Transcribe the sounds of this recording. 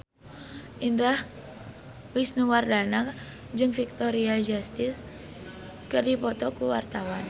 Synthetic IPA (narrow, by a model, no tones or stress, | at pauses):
ʔindah | wisnuwardanak | d͡ʒɨŋfik̚t̪ɔɾiad͡ʒast̪ɪs | kɨrdipɔt̪ɔkuwart̪awan